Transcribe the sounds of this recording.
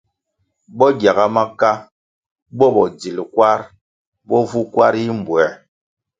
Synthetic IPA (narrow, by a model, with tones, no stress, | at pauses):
bɔ˦ɡja˨ɡa˦ma˦ka˦ | bɔ˦bɔ˨d͡zi˨lkwa˦ɾ | bɔ˦vu˦kwa˦ɾi˦m̩˨bwɛ˨